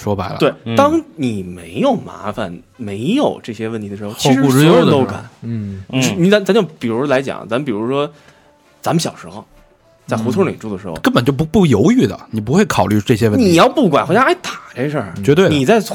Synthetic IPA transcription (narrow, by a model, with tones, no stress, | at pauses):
ʂwɔ˥pa˧˥ɪl̰t̪we˥˩ɪt̪ɑ˥ŋni˨˩me˧˥ɪjo˨˩ʊma̰˧˥fa˨n | me˧˥ɪjo˨˩ʊʈ͡ʂɤ˥˩ɕjɛ˥wə˥˩nt̪ʰi˧˥də˧ʂɻ̩˧˥xt͡ɕʂɻ̩˧u˧˥ɔ˧˥jo˨ʊto˥ʊka̰˨˩˦n˧˩˥ | ni˧˥˩t͡sa˧˥nt͡sa˧˥nt͡ɕjo˥˩pi˨˩ɻu˧˥ʂwɔ˥la˧˥ɪt͡ɕjɑ̰˨˩˦ŋt͡sa˧˥mə˧pi˨˩ɻu˧˥ʂwɔ˥ | t͡sa˧˥mə˧ɕjɑ˨˩ʊʂɻ̩˧˥xo̰˧˩ʊ | t͡sa˥˩ɪxu˧˥t̪ʰʊ˥lḭ˨˩ʈ͡ʂu˥˩d̪ə˩ʂɻ̩˧˥xo̰˧kə˥npə˨˩nt͡ɕo˥˩ʊ˥pu˥˩jo˧˥ʊy˥˩d̪ə̰˩ni˨˩p̬u˧˥xwe˥˩ɪkʰɑ˨˩ʊly˥˧ʈ͡ʂɤ˥˩ɕ̬jɛ˥wə˥˧ni˨˩jɑ˥˧ʊpu˥˩kwa˨˩nxt͡ɕa˥a˥˩ɪt̪a˨˩ʈ͡ʂe˥˧ʂə˞˥˩t͡ɕɥɛ˧˥t̪we˥˩ni˨˩t͡sa˥˩ɪ